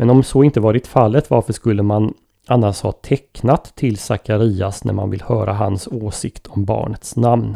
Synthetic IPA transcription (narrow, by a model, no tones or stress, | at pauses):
mɛnɔmsɔɪnt̪əvɑːɾɪt̪falːət̪vaɾfəʂkɵlːəman | anːaʂhɑ̰ːt̪ʰɛkːnat̪ʰːɪlsakaɾiːasnæ̰ɾma̰nvɪlhœːɾaɦansoːsɪkt̪ʰɔmbɑ̰ːɳət̪snamn